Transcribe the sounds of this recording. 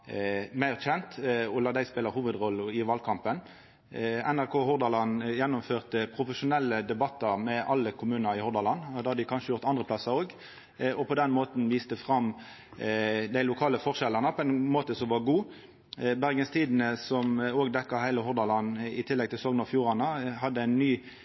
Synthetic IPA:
mæɪʁçɛnt̪ɔlɑːd̪æɪspeːləhuːʋəd̪ʁɔlːəɪʋɑlkʰɑmpən | ænæʁkʰoːɦʊʁd̪ɑlɑnjɛnːɔmføːʁt̪əpʰʁʊfəʂʊnɛlːəd̪ɛbɑt̪ːɑʁmɛʔɑlːəkʰʊmʉːnəɾɪhɔʁd̪ɑlɑnːd̪ɑːhɑd̪ɪkʰɑnʂəjʊʁt̪ɑnd̪ʁəpʰlɑsɑoːɡ | ɔpʰɔd̪ɛnmoːt̪n̩ʋiːst̪əfʁɑm | d̪æɪlʊkʰɑːləfɔʁʂɛlɑnəpʰɔɛnmoːt̪əsɔmʋɑɡuː | bæʁɡənst̪ʰiːd̪n̩əsɔmoːɡd̪ɛkːɑhæɪləhʊʁd̪ɑlɑnɪt̪ʰɪlːɛɡ̚t̪ʰɪlsɔŋnɔfjuːʁɑnəɦɑd̪ːəæɪnːyː

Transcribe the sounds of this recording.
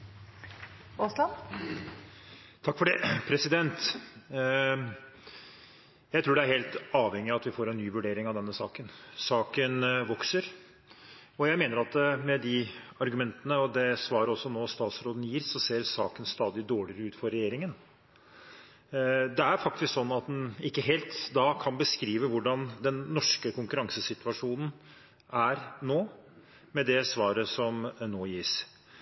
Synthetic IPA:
ɔslɑn | t̪ʰɑkːfɔɖeːpʰɾɛsɪd̪ɛnt̪ | jæɪt̪ʰɾuːɖɛæɾheːlt̪ɑːʋhɛŋːɪɑɑt̪ʋɪfoːɾɛnːyːʋʉɖeːɾɪŋɑʋd̪ɛnːəsɑːkənsɑːkənʋɔksəɾ | ɔjæɪmeːnəɾɑt̪əmɛd̪ɪɑɾɡʉmɛnt̪ənəɔd̪ɛsʋɑːɾəɔsːɔnoːst̪ɑːt̪sɾoːd̪n̩jiːsːɔseːɾsɑːkənst̪ɑːd̪ɪd̪oːɭɪəɾəʉːt̪fɔɾɛjeːɾɪŋən | d̪ɛæɾfɑk̚t̪ɪsksɔnːɑt̪̚d̪nɪkːəɦeːlt̪d̪ɑːkʰɑnbəskɾiːʋəʋʊɖɑnd̪ɛnːɔʂkəkʰʊŋkʉɾɑŋsəsɪt̪ʰʉʋɑʂuːnən̩ | æɾnoː | mɛd̪ɛsʋɑːɾəsɔmnoːjiːs

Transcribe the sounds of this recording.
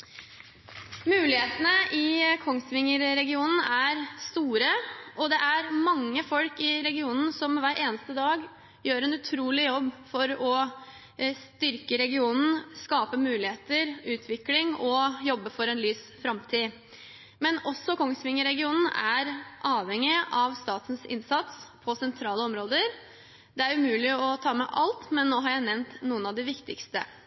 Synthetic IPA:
mʉːlɪheːt̪ənəʔɪkʰɔŋsʋɪŋːəɾːɛɡɪuːnn̩æɾst̪uːɾəʔɔd̪ɛʔæɾmɑŋːəfɔlkɪɾɛɡɪuːnn̩sɔmʋæːɾʔeːnəst̪əd̪ɑːɡ | jøːɾɛnʉt̪ʰɾuːlɪjɔbːfɔɾɔ | st̪ʏɾkəɾɛɡɪuːnn̩skɑːpəmʉːlɪheːt̪əɾʉːt̪ʰʋɪklɪŋɔjɔbːəfɔɾɛnlyːsfɾɑmt̪ʰiː | mɛnɔsːɔkʰɔŋst̪ʋɪŋːəɾɛɡɪuːnn̩æɾʔɑːʋɛŋːɪʔɑʋst̪ɑːt̪n̩sɪ̰nsɑt̪spʰɔsɛnt̪ʰɾɑːləɔmɾoːd̪əɾ | d̪ɛæɾʉmʉːlɪɔt̪ʰɑːmɛ̰ʔɑlt̪mɛnːoːɦɑɾjæɪnɛʋnt̪nuːənɑʋd̪ɪʋɪkt̪ɪkst̪ə̰

